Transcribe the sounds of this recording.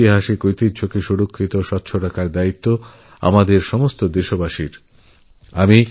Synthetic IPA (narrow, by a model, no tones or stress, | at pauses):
iɦaʃekojt̪it̪t͡ɕʰokeʃuɽokʰːit̪oʃɔt̪ːɕʰoɾakaɾd̪ait̪ːo | a̰mad̪eɾʃɔmost̪od̪eʃobaʃiɾ | ami